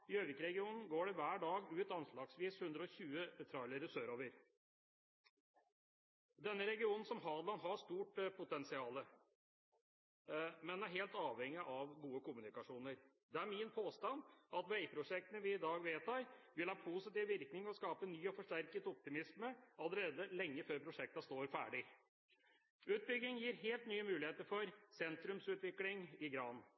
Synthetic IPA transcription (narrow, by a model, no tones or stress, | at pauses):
ɪøːʋɪkɾɛɡɪuːnn̩ɡoːɖɛʋæːɖɑːɡʉːt̪ɑnʂlɑːɡsʋiːshʉnd̪ɾəɔɕʉːəɛt̪ʰɾɑləɾəsøːɾoːʋəɾ | d̪ɛnːəɾɛɡɪuːnn̩sɔmɦɑːd̪lɑnɦɑʂt̪uːʈpʰʊt̪ɛnsɪɑːlə | mɛnæɾɦeːlt̪ɑːʋhɛŋːɪʔɑʋɡuːəkʊmʉnɪkɑʂuːnəɾ | d̪ɛæɾmɪnpʰoːst̪ɑnɑt̪ʋɛɪpʰɾʊʂɛk̚t̪ənəʋɪɪd̪ɑːɡʋeːt̪ɑɾʋɪlhɑːpʰusɪt̪iːʋʋɪɾknɪŋɔskɑːpənyːɔfɔʂʈæɾkət̪ɔp̚t̪ɪmɪsməɑləɾeːd̪əlɛŋːəføːɾpʰɾʊʂɛk̚t̪ɑst̪oːɾfæ̰ːɖɪ | ʉːt̪̚bʏɡːɪŋjiːɾɦeːlt̪nyːəmʉːlɪheːt̪əɾfɔɾsɛnt̪ɾʉmsʉːt̪ʋɪklɪŋɪɡɾɑːn